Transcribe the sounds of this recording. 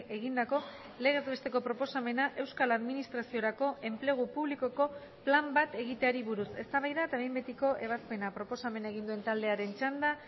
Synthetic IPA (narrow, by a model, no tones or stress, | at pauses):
e̞ɣind̪ako̞ | le̞ɣezβe̞st̪e̞ko̞pɾo̞po̞same̞naʔe̞wskalaðminist̪ɾasio̞ɾako̞ʔe̞mple̞ɣ̞upuβliko̞ko̞ | plambat̪e̞ɣ̞it̪e̞aɾiβuɾuse̞̰st̪aβajðaet̪aβejmbe̞t̪iko̞ʔe̞β̞aspe̞napɾo̞po̞same̞nae̞ɣ̞ind̪ue̞nt̪ald̪e̞aɾe̞nt͡ʃand̪a